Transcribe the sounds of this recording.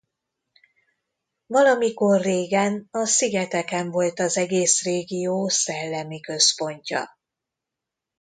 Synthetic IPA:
vɒlɒmiko̞rːeːɡɛnɒsiɡɛt̪ɛkɛɱvo̞lt̪ɒzɛɡeːsreːɡijoːsɛlːɛmikø̞spo̞ɲcɒ̰

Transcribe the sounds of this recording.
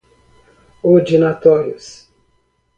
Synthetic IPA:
od͡ʒinat̪ɔɾjʊ̰s

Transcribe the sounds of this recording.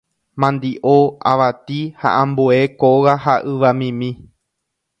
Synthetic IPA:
mãnd̪iʔoa̰ʋat̪iha̰ʔãmbue̞koɣaɦaʔɨʋamĩmĩ

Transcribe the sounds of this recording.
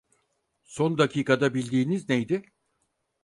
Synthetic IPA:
so̞nd̪acʰiːkad̪abilʲd̪iːniznejd̪ɪ

